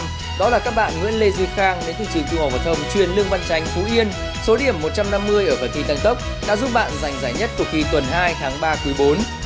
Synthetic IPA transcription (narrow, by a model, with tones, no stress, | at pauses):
ɗɔ˨˦laː˨˩kaː˦˥k̚ɓa̰ː˧˨nŋḭ˧˥ənle˧zɨ˧xaː˧ŋne˨˦nt̪ʰɨ˧˨˩t͡ɕɨ˨˧˩ŋt͡ɕ̪ŋha˨˩w̚vaː˨˩t̪ʰə˧wŋ͡mt͡ɕwi˨˧˩ənlɨ˧əŋva˧nt͡ɕa˧˩jŋ̟fu˨˦ʔi˧ən | so˨˦ɗi˧˩əmːo˨˩t̚t͡ɕa˧mna˧mːɨ˧əjʔəː˧˩fəː˨˩nt̪ʰi˧˩t̪a˧ŋt̪ə˦˥wk͡p̚ | ɗa̰ː˧˥zʊ˦˥p̚ɓa̰ː˧˨nza˨˩jŋ̟zaː˧˩jɲə˦˥t̚t̪̚xi˧˩t̪wə˨˩nɦaː˧jt̪ʰaː˨˦ŋɓaː˧kɨ˨˦ɓo˨˦n